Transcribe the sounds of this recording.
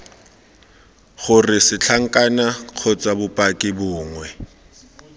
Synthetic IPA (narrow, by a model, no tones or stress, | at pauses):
χʊrɪsɪt͡ɬʰaŋ̩kʼanaq͡χʰɔt͡sabʊpʼakʼɪbʊːŋwɛ